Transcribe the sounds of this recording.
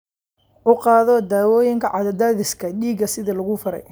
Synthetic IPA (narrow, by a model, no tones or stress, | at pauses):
ʔʊqɑːðɔd̪aːwɔːjɪŋkʰɐʕɑðɐd̪aːðɪskʰɐɗiːɡɐsɪðɐlɐɣʊfɐɾɛ̰j